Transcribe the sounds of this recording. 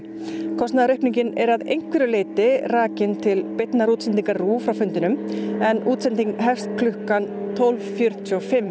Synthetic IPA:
kʰɔst̪naðaɾʏhpniɲcɪnɛ̰ɾaðḛjŋ̥kvɪɾʏleːt̪ɪraːcɪnt̪ʰɪlpɪjt̪naɾuːt̪sɛnt̪̬iŋkaɾruːfɾawfʏnt̪ɪnʏmɛnʔuːt̪sɛnt̪iŋkɦɛfst̪kʰlʏhkan | t̪ʰɔwlvfjœɾ̥t̪ʰɔfɪm

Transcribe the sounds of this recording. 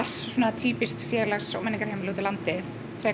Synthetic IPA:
aɾ̥suɔːnat̪ʰiːpɪst̪fjɛːɾlɛxsɔ̰wmɛnːɪŋkaɾ̥hejmɪloːt̪ɪlant̪ɪθ | fɾɛː

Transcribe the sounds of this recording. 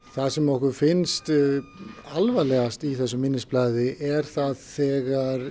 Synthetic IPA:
θaðsɛmɔhkʏɾfɪnst̪ | alvalɛɣast̪iθɛsːʏmɪnːɪsplaðɪʔɛɾ̥θaðθɛːɣaɾ

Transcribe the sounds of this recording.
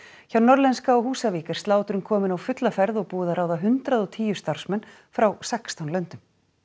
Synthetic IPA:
çawnɔɾlɛnskaɔɦuːsaviːkaɾ̥st̪laːwt̪ʏɾʏmkʰɔːmɪnawfʏt̪lafɛɾðɔɣpuːðaɾaːwðaɦʏnt̪ɾaðɔt̪ʰiːjʏst̪aɾ̥smɛnː | fɾawsɛkst̪awnlœnt̪ʏm

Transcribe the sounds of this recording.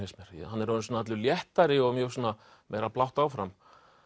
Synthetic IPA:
esmɛɾ̥ɛ̰hanːɛɾʏnsɔnaat̪lʏljɛht̪aɾɪɔɣmjœ̥ːsɔːna | mejɾaplawht̪awfɾam

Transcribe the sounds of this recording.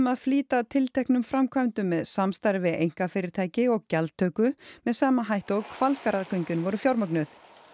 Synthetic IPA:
maðfliːt̪at̪ʰɪlt̪ʰɛhknʏmfɾamkʰvaɥnt̪ʏmːɛðsamst̪aɾvɪḛjŋ̥kafɪːɾɪɾ̥t̪ʰaːjcɪɔɣcɛlt̪t̪ʰːœːkʏmɛðsaːmaɦajht̪ɔɣkʰvalfjaɾðakʰœɲcʏnvɔɾʏfjawɾmœknʏθ

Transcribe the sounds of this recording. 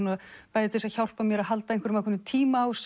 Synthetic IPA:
naðpajðɪt̪ɪsaçawr̥pamjɛɾaðɦalt̪aenkvɾmaðkʰɛnːɪt̪ʰiːmaːws

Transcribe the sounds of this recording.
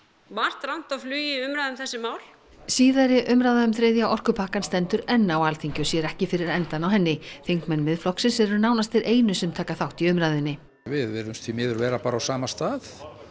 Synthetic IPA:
var̥t̪ɾawn̥t̪awflyːjɪʏmɾajðʏmθɛsːɪmaːwl | siːðaɾɪʔʏmɾaðaʏmθɾejðjaʔɔr̥kʏpʰaːhkanst̪ɛnt̪ʏɾɛnːawalθiɲcɔsjɛɾɛhcɪfɪɾɪɾɛnt̪anawɦɛnːɪθeŋkmɛnːmɪðflɔksɪnsɛɾʏɾnaːwnast̪eɾʔeːjnʏsɛmt̪ʰaːkaθawht̪iʏmɾaðɪnːɪ | vɪðvɛɾʏmst̪fimɛːðʏɾvɛːɾapaːɾawsaːmast̪aːθ

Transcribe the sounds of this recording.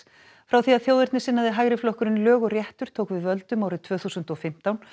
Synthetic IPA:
fɾawθiaðθjoːwðɪɾt̪nɪsɪnːaðɪɦajɣɾɪflɔhkʏɾɪnlœːɣʏrjɛht̪ʏɾ̥t̪ʰowkvɪðvœlt̪ʏmawɾɪðt̪ʰv̥œːθuːsʏnt̪ɔfɪm̥t̪awn

